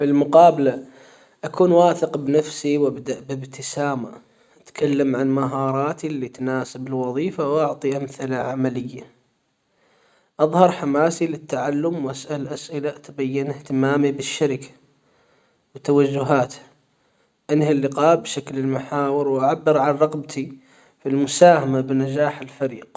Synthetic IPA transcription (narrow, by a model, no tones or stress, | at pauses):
filmʊqɑːbala | ʔakuːnwaːθɪqbnafsiwʔabd̪aʔbɪbt̪ʰɪsaːma | ʔat̪kʰalːamʕanmaɦɑːɾˤɑːt̪ilːit̪naːsɪbɪlwɑðˤiːfawʔɑʕt̪ˤiʔamθɪlaʕamalɪjːa | ʔɑðˤhɑɾˤħamaːsilɪt̪ːaʕalːʊmwʔasʔalʔasʔɪlat̪bajːɪnɪht̪ɪmaːmibɪʃːaɾɪkʰḁ | wɪt̪awad͡ʒːʊɦaːt̪ha | ʔɪnhɪlːɪqɑːʔbʃaklɪlmaħaːwɪɾwʔaʕabːɪɾʕanɾˤɑɣbt̪ʰi | filmʊsaːhamabnad͡ʒaːħɪlfaɾiːq